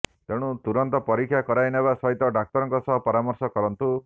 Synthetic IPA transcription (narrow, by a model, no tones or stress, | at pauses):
t̪eɽ̃ut̪uɾɔnt̪ɔpɔɾikʰːjakɔɾajnebasɔɦit̪ɔɖak̚t̪ɔɾɔŋkɔsɔɦɔpɔɾamɔɾsɔkɔɾɔnt̪u